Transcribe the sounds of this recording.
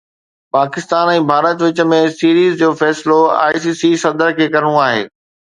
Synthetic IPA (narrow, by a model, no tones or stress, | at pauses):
paːkɪst̪aːnɛ̃ːbʱaːɾət̪ʋɪt͡ɕə̆mẽsiːɾiːzd͡ʑoːfɛːsɪloa̰ːisiːsisɐd̪əɾkʰeːkɐɾəɽ̃ũaːɦḛː